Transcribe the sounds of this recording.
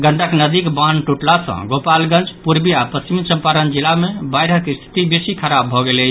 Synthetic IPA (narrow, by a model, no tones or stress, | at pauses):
ɡəɳɖəknəd̪ikbanʈuʈlasə̰̃ɡopalɡə̃nt͡ʃpuɾbiapəst͡ʃimsə̃mpaɾənd͡ʒilamebajɾəkst̪ʰi̥t̪ibesikʰəɾabʱɔɡelɛ